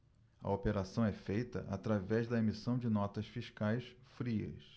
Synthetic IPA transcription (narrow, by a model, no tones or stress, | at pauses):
ɐ̰opeɾasɐ̃w̃ɛfejt̪ɐ̰ʔat̪ɾavɛzd̪ɐemisɐ̃w̃d͡ʒɪnɔt̪ɐsfiʃkajsfɾiɐ̰s